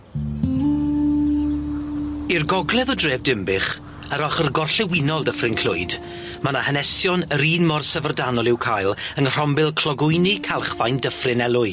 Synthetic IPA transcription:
irɡɔɡlˠɛðɔdreːvdɪmbɪχ | əɾɔχərɡɔrɬɛwɪnɔlˠdəfrɪnkʰl̥ʊ̰ɨd̥ | manahənɛsjɔnəɾiːnmɔrsəvərdanɔlˠɪwkʰajlˠənr̥ɔmbɪlˠkʰl̥ɔɡʊjnikʰalˠχvajndəfrɪnɛlˠʊɨ

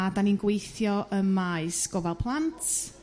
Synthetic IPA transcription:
adaninɡwejθjɔʔəmːaɨsɡ̥ɔvɛlˠpʰlˠantʰ

